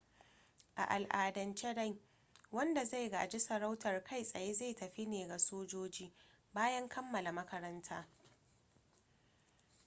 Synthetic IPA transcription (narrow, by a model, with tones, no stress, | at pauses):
ʔa̰˨ʔa˨lʔaː˨dɐ˨nt͡ʃe˦ɽa˦˨j | wɐ˦nda˨za˦˨jɡa̰ː˨d͡ʒɪ˦sɐ˨ɾa˦wtʰɐ˨rkʰa˦jsʼɐ˨je˦ze˦˨tɐ˨ɸi˦neː˨ɡa˨soː˦d͡ʒoː˦d͡ʒiː˦ | baː˦jɐ˦ŋkʰɐ˦mːɐ˨la˨mɐ˦kɐ˦ɾɐ˦ntʰaː˦